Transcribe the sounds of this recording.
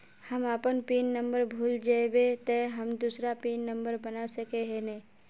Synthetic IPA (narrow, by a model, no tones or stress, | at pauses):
həmaːpənpiːnːə̃mbəɾbʱuːld͡ʒaebet̪əɦəmd̪uːsɾapiːnːə̃mbəɾbənasəkeɦɛnɛː